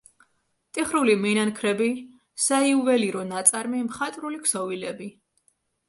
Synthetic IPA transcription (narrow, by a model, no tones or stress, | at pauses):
t̪ʼiχɾulimɛnankʰɾɛbi | saiuvɛliɾɔnat̪sʼaɾmimχat̪ʼɾulikʰsɔvilɛbi